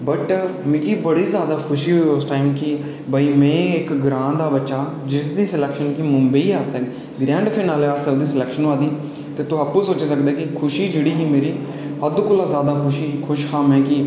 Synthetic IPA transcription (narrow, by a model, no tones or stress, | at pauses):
bəʈmĩːkiːbəɽiːzjaːd̪aːkʰʊʃiːɦooːsʈaːimkɪ | baːiːmɛ̃ːɪkɡɾãːnd̪aːbətːʃaː | d͡ʒɪsd̪iːsɪlɛːkʃənkimʊmbəiːaːst̪ɛː | ɡɾɛ̃ːɳɖpʰɪnaːleaːst̪ɛːʊd̪iːsɪlɛːkʃənːaːd̪iː | t̪eːt̪ʊɦaːpːuːsoːt͡ʃeːsəkd̪eːkɪkʰʊʃiːd͡ʒeːɽiːɦiːmeːɾiː | əd̪kʊlãːzjaːd̪aːkʊʃiːkʰʊʃhãːmɛ̃ːkɪ